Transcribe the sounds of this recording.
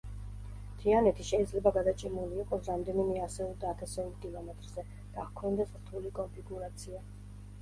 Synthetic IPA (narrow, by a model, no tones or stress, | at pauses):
t̪ʰianɛt̪ʰiʃɛid̪zlɛbaɡad̪at͡ʃʰʼɛmuliːqʼɔsɾamd̪ɛnimɛasɛulˠd̪aːt̪ʰasɛulkilˠɔmɛt̪ʼɾzɛ | d̪̥akʰɔnd̪ɛsɾt̪ʰulikʼɔmpʰiɡuɾat̪sʰia